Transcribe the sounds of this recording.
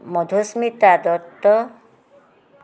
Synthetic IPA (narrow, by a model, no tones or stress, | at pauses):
mɔd̪ʱusmit̪ad̪ɔt̪ːɔ